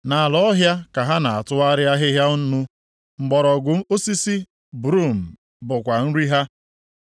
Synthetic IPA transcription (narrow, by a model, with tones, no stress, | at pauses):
na˨a˨lɔ˦ɦja˦ka˨ɦa˦na˨a˨tʊ˦a˦ɾɪ˦a˦ɦɪ˦ɦja˦ʊ˦nu˦ | ŋ͡m̩˨ɡ͡bɔ˨ɾɔ˨ɡʊ˨˦o˦si˦si˦ | bɾu˦˨m̩˨ | bʊ˨kʷa˨n̩˦ɾi˦ɦa˦